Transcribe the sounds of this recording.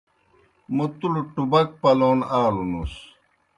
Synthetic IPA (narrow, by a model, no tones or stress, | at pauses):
mut̪uluʈubɐk̚pɐloːnaːlunus